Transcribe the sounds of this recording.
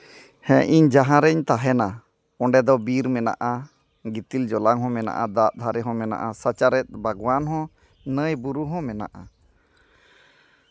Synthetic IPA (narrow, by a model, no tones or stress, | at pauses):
hɛ̃ʔiɲd͡ʒaɦãɾɛɲt̪aɦɛna | ɔɳɖɛd̪ɔbiɾmɛna̰ʔa | ɡit̪ild͡ʒɔlaŋɦɔ̃mɛna̰ʔad̪aʔ̪̚d̪ʱaɾɛɦɔ̃mɛna̰ʔasat͡ʃaɾɛt̪̚ˀbʱaɡwanɦɔ̃ | nəjbuɾuɦɔ̃mɛna̰ʔa